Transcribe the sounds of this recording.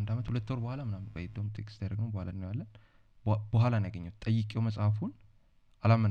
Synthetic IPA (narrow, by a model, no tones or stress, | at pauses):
nd̪amət̪hulət̪ːoɾbəhʷalamɨnambəjd̪əwmt̪ʰekʼst̪ʰad̪ɾəɡnəwbəhalanːjalːən | bəhʷalanaɡəɲːɛwt̪ʼəjːɪkʼewməsʼhafun | ʔalamːən